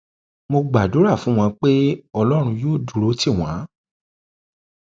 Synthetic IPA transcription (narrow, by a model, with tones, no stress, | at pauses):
mo˧ɡ͡ba˨du˨˦ɾa˦˨fũ˨˦w̃ɔ̃˧k͡pe˦ɔ˧lɔ˦ɾ̃ũ˧joː˦˨du˨ɾo˨˦ti˦˨w̃ã˨˦